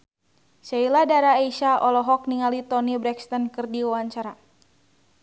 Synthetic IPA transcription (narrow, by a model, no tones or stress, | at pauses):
sailadaɾaaiʃaɔlɔɦɔk̚niŋalit̪ɔnibɾɛkst̪ɔnkɨrdiwwaɲt͡ʃaɾa